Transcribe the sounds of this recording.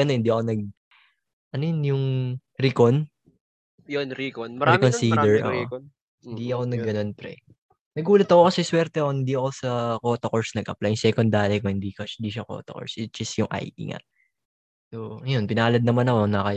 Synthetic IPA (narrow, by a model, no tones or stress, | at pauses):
ɐno̞hɪnd̪iʔɐko̞nɐɡ̚ | ʔɐnojonjʊŋ | ɾikon | jonɾikonikonsiːd̪ɛɹʔo̰ʔo | hɪnd̪iʔɐko̞nɐɡɡːɐno̞npɾɛ̰ | nɐɡʔuːlɐt̪ɐko̞kɐsɛswɛɾt̪ɛkohɪnd̪iɐko̞sɐko̞ːt̪okoɹsnɐɡʔɐplajʊŋsɛkond̪aːlɛkohɪnd̪ikɐɪnd̪iʃɐko̰ːt̪o̰ko̰ɹsʔɪt̪̚d͡ʒ̥ɐst̪jʊŋʔa̰jʔḭŋa̰ | soːɐjonpɪnaːlɐd̪̚nɐmanɐkonɐkɐj